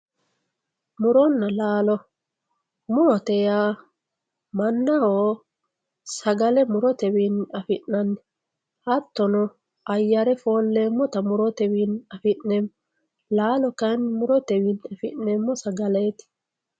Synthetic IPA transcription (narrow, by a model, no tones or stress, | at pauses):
mʊɾɔnːɐlaːlɔ | mʊɾɔt̪ɛjaː | mɐnːɐhoː | sɐɡɐlɛmʊɾɔt̪ɛwinɐfɪnːɐnːɛ | hɐt̪ːɔnɔ | ɐjːɐɾɛfoːlːemːɔt̪ɐmʊɾɔt̪ɛwinɐfɪnnɛm | laːlɔkɐnmʊɾɔt̪ɛwɪnːɐfɪʔɛmːɔsɐɡɐlet̪ɪ̥